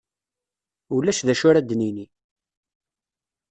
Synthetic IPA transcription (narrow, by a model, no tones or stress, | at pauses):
ulːæʃðæʃʊɾæd̪nini